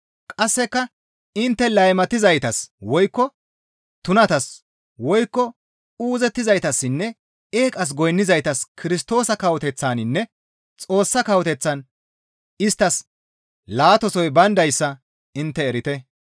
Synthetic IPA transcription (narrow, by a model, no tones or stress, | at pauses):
kʼɐsːɛkːɐ | ɪnt̪ːɛlɐjmɐt̪ɪzɐjt̪ɐswɔjkːɔ | t̪ʊnɐt̪ɐs | wɔjkːɔ | uːzɛt̪ːɪzɐjt̪ɐsːɪnːɛ | eːkʼɐs̬ɡɔjnːɪzɐjt̪ɐskʰɪɾɪst̪o̞ːsɐkɐwɔt̪ɛt͡sːaːnɪnːɛ | t͡sʼo̞ːsːɐkɐwt̪ɛt͡sːɐn | ɪst̪ːɐs | laːt̪ɔsɔjbɐnd̪ɐjsːɐ | ɪnt̪ːɛːɾɪt̪ɛ